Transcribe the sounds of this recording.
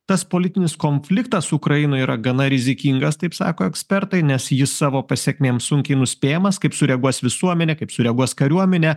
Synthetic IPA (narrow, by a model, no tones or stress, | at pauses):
t̪ɐspoːlʲɪt̪ʲɪnʲɪskoːnʲfʲlʲɪkt̪ɐssʊkɾɐjɪnʊːiːɾɐɡɐnɐɾʲɪzʲɪkʲiŋɡɐst̪ɐɪpsɑ̰ːkoːɛksʲpʲɛɾt̪ɐɪnʲɛsjɪssɑːʋoːpɐsʲɛkʲmʲeːmsʊŋʲkʲɛɪnʊsʲpʲeːjɛmɐskɐɪpsʊɾʲɛɡuɔsʋʲɪsuɔmʲɛnʲɛkɐɪpsʊɾʲɛɡuɔskɐɾʲuɔmʲɛnʲɛ